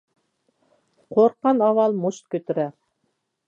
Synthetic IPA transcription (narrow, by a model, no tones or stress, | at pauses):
qʰoɾqːɑnɑwɑlˠmuʃt̪̚kʲɵ̆t̪ɘ̆ɾæ